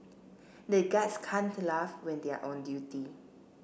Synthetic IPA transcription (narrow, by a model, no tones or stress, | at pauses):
deɡatskʰãntulafwɛ̃ndea̰ʔõndjuti